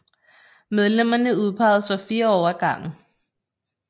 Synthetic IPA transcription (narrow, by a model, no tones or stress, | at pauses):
með̞ˠlem̰ɐnəuð̞ˠpʰɑ̈ɪð̩ˠsʋɒfiːɐɒʊɐɡ̥ɑ̈ŋ̰̩